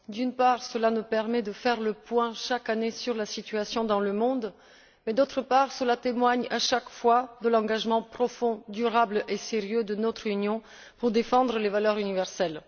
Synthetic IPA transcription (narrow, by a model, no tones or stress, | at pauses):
d̪ynpaʁsəlanupɛʁmɛd̪əfɛʁləpwɛ̃ʃakanesyʁlasit̪ɥasjɔ̃d̪ɑ̃ləmɔ̃d̪ | mɛd̪ot̪χəpaʁsəlat̪emwaɲaʃakfwad̪əlɑ̃ɡaʒmɑ̃pχɔfɔ̃d̪yʁableseʁjød̪ənɔt̪χynjɔ̃ | puʁd̪efɑ̃d̪ʁəlevalœʁynivɛʁsɛl